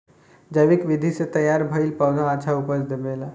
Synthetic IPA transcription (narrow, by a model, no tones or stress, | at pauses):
d͡ʒəʋikʋid̪ʱiset̪əjaɾbʱəjlpawnʱaːt͡ʃʰaupəsd̪emela